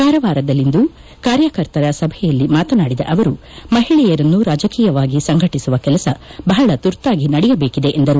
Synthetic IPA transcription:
kaːɾɐʋaːɾɐd̪ɐlːind̪u | kaːɾjɐkɐɾt̪ɐɾɐsɐbʱɛjɐlːimaːt̪ɐnaːɽid̪ɐ̰ʔɐʋɐɾu | mɐɦiɭɛjɐɾɐnːuɾaːd͡ʒɐkiːjɐʋaːɡisɐŋɡʱɐʈisuʋɐkɛlɐsɐbɐɦɐɭɐt̪uɾt̪aːɡinɐɽɛjɐbeːkid̪e̞ʔend̪ɐɾu

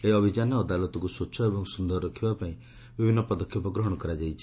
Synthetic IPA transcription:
eiɔbʱid͡ʒanɔːd̪alɔt̪ɔkusotːt͡ʃʰɔebɔŋsund̪ɔɾɔɾɔkʰibapaĩ | bibʱinːɔpɔd̪ɔkʰjɔpɔɡɾɔɦɔɽ̃ɔkɔɾad͡ʒajt͡ʃʰi̥

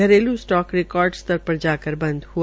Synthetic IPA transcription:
əɾelũsʈɔkɾɪkɔːɾɖst̪əɾpəɾd͡ʒaːkəɾbə̃nd̪hu

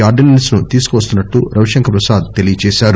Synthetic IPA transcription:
aːɾɖennisnut̪iːsu̥kuʋɐst̪unːɐʈːuɾɐʋʃɐŋkʰɐpɾɐsaːd̪t̪elijɐt͡ʃɛːʃaːɾu

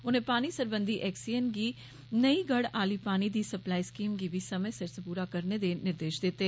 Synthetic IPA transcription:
ʊnɦẽpaːnisɐɾbə̃nd̪ʱiʔɛːksijənɡi | nɐiɡɐɽaːlipaːnid̪isɐplaːiskiːmɡibʱisɐməjsɪɾspuːɾakɐɾned̪enɪɾd̪eːʃd̪eːt̪e

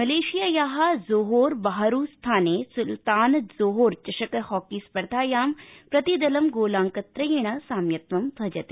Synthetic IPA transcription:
mɐleːʃijaːjaːɦazoːɦoːɾbɐɦaɾuːst̪ʰaːneːsult̪aːnzoːɦoːɾt͡ʃɐʃɐkɐhɔːkiːspɐɾd̪ʱaːjaːmpɾɐt̪id̪ɐlɐmɡoːlaːŋkɐt̪ɾɐjeːɳ̃ɐsaːmjɐt̪ʋɐmbʱɐd͡ʒɐt̪e

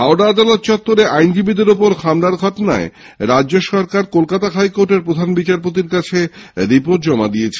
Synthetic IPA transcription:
ɦawɾaad̪alot̪̚t͡ɕɔt̪ːoɾeʔajnd͡ʑibid̪eɾopoɾkʰamɾaɾɡʱɔʈona̰e | ɾad͡ʑːd͡ʑoʃɔɾkaɾkolkat̪aɦajkoɾʈeɾpɾod̪ʱanbit͡ɕaɾpot̪̬iɾkat͡ɕʰeɾipoʈ̚d͡ʑɔmad̪iet͡ɕʰe

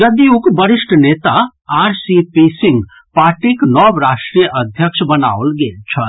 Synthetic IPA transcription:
d͡ʒɐd̪iũkbɐɾɪʃʈʰneːt̪a | aːɾsipisɪ̃ŋɡ | paːɾʈiknɔbɾaːʂʈɾijʔɐd̪ʱjəkʃbɐna̰ːolɡeːlt͡ʃʰɐ

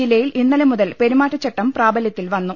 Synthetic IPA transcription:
ilːɐjilinːɐlemuðɐlpe̞ɾumaːʈːɐt͡ɕːɐʈːɐmpraːbɐljɐt̪ːilʋɐnːu

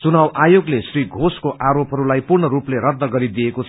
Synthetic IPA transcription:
t͡sunawajoɡlesriɡʱoskoʔaɾopɦʌɾulajpurɳʌɾupleɾʌd̪nʌɡʌɾid̪ijekot͡sʰ

